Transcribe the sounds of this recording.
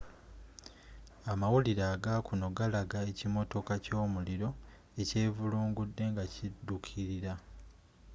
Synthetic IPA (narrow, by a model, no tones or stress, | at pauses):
amawuliɾaːɡakuno̞ɡalaɡae̞cimo̞to̞kaco̞ːmuliɾo̞ | e̞ce̞ːvuluːŋɡudːe̞ŋɡacidːukʰiɾiɾa